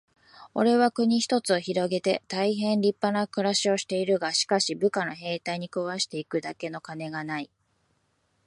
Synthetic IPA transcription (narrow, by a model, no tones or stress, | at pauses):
o̞̰ɾe̞β̞akɯ̟ɲ̟içi̥t̪o̞t͡sɨo̞çiɾo̞ɡe̞t̪e̞t̪aiɦẽ̞nɾʲipːanakɯ̟ɾaɕio̞ɕi̥t̪e̞iɾɯ̟ɡaɕi̥kaɕibɯ̟kano̞ɦe̞ːt̪aiɲ̟ikɯβaɕi̥t̪e̞ikɯ̟d̪ake̞no̞kane̞ɡanai